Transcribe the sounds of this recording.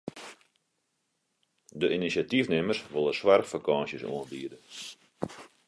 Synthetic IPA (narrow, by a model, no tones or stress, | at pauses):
dəʔinisatifnɪmərsʋolˠəswarxfakaːnsjəso̰əndiːdə